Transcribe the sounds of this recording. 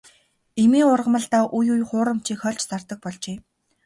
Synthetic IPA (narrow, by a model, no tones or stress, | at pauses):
emiːʊrʁə̆mə̆ɮt̪aːʔujujχʊːɾə̆m̥t͡ɕʰiːkχœɮʲt͡ɕsart̪ə̆k̚pɔɮt͡ɕeː